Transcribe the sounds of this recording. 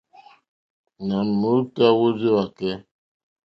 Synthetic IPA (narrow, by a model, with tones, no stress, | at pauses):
na˨n˨mu˨˦ta˦wo˦zi˦wa˨kɛ˦